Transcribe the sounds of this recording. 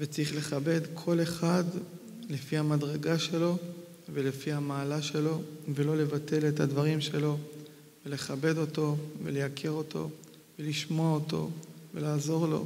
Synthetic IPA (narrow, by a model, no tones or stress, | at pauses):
vet͡siχle̞χabe̞dkʰo̞le̞χad | lefihamadʁe̞ɡaʃe̞lo̞ | velefihamaːlaʃe̞lo̞velo̞le̞vate̞le̞thadvaʁimʃe̞lo̞ | vele̞χabe̞do̞to̞vele̞jakʰeʁo̞tʰo̞̰ | veliʃmo̞aoto̞̰ve̞̰laːzo̞ʁlo̞̰